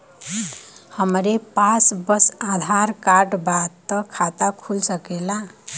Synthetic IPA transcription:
həmɾepasbəsad̪ʱaɾkaɾɖbad̪t̪əkʰat̪akʰulsəkela

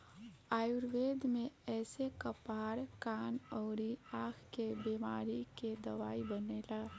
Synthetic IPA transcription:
aːjuɾʋeːd̪mẽɛːsekəpaːɾkaːnəːɾiaːkʰkebemaːɾiked̪əʋaːibəneːla

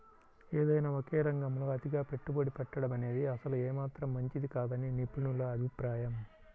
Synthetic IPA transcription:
eːd̪ɐjnaːokɛːɾɐŋɡɐmloːɐd̪iɡaːpe̞ʈːuboɽipɛʈːɐɽɐmɐne̞ːd̪iɐsɐluɛːmaːt̪ɾɐmːɐɲt͡ʃid̪ikaːd̪ɐninipɾiɳulɐɐbʱipɾaːjɐm

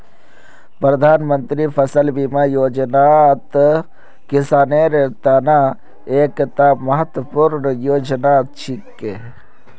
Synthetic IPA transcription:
pɾəd̪ʱaːnmənt̪ɾipʰɐsəlbimajoːd͡ʒnaːt̪ | kɪsaːneːɾet̪ana | eːkt̪amɐɦət̪wəpuɾnjoːd͡ʒnaːt̪̚t͡ʃʰit̪ke

